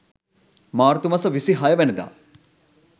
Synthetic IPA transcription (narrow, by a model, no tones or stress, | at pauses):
maːɾt̪umɐsɐʋisiɦajɐʋenɐd̪a̰